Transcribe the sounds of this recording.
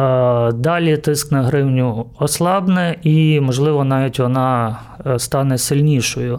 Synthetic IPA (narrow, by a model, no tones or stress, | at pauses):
d̪ɑlʲit̪ɪsknɐɦɾɪwnʲʊɔslˠɑbnɪimɔʒlˠɪʋɔnɑʋʲitʲʋɔnɑ | st̪ɑnɛsɪlʲnʲiʃɔjʊ